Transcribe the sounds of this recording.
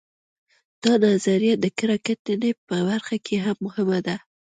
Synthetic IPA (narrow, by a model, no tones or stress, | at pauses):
d̪̥ɑnazaɾijad̪əkɪɾɑkat̪ənepəbaɾxakʰeɦamːʊhɪmad̪a